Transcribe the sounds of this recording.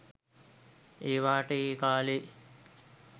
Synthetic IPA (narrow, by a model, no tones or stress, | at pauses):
eːʋaːʈəeːkaːle